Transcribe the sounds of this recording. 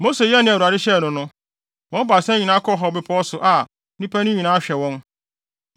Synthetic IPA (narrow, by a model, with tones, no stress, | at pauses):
mo˦se˨jɛ˦nɪ̃˦˨u˨a˨dɪ˦ɕɛ˦˨nʊ̃˨nʊ̃˦ | wɔ̃˦ba˨sɛ̃˦ɲi˨nã˦kʰɔ˦ɦɔ˨bɪ˦pʰɔ˦sʊ˨ʔa˨ | nĩ˦pʰæ˦nʊ̃˦ɲĩ˨nãː˦ɕᶣɛ˨wɔ̃˦n